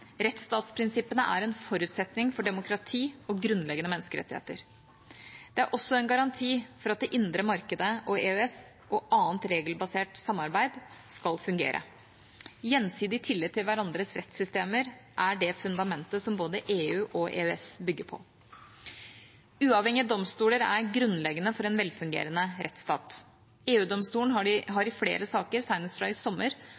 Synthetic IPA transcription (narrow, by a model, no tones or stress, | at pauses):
ɾɛt̪st̪ɑːt̪spʰɾɪnsɪpːənəʔæ̰ɾɛnfɔɾʉːt̪sɛt̪nɪŋfɔɖɛmʊkʰɾɑt̪ʰiːɔɡɾʉnlɛɡənəmɛnːəskəɾɛ̰t̪ːɪhḛːt̪əɾ | d̪̥ɛæɾʔɔsːɔɛnɡɑɾɑnt̪ʰiːfɔɾɑt̪̚d̪ɛʔɪnd̪ɾəmɑɾkəd̪əʔɔeːøɛs | ʔɔʔɑːnt̪ɾeːɡəlbɑseːʈsɑmːɑɾbæɪd̪skɑlfʉŋɡḛːɾʔə̰ | jɛnsiːd̪ɪt̪ʰɪlːɪɡt̪ʰɪlʋæɾɑnd̪ɾəsɾɛt̪sʏst̪eːməɾʔæɖɛfʉnd̪ɑmɛnt̪əsɔmboːd̪əʔeːʉːʔɔʔḛːœɛsbʏɡːəɾpʰɔ̰ | ʉːɑʋhɛŋɪəd̪ɔmst̪uːləɾæ̰ɾɡɾʉnlɛɡənəfɔɾɛnʋɛlfʉŋɡḛːɾənəɾɛt̪st̪ɑ̰ːt̪ | eːʉːd̪ɔmst̪uːlən̩ɑɪɦɑɾɪflḛːɾəsɑːkəɾsæɪnəst̪fɾɑɪsɔmːəɾ